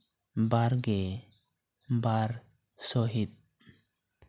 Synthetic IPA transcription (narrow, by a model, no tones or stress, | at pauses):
baɾɡɛ | baɾ | sɔɦit̪̚